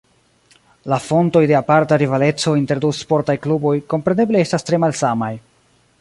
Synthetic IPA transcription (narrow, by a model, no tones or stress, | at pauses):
lafo̞nto̞jde̞apaɾtaɾivale̞t͡so̞inte̞ɾduspo̞ɾtajklubo̞jko̞mpɾe̞ne̞blee̞stastɾe̞malsamaj